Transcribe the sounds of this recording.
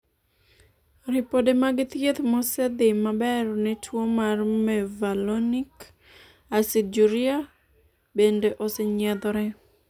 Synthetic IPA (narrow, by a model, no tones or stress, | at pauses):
rɪpodemaɡɪt̪jet̪mɔsɛd̪ɪmabɛrnɛtʰwomarmɛvalonik | asid͡ʒuɾia | bendeʔosɛɲɛd̪ɔɾɛ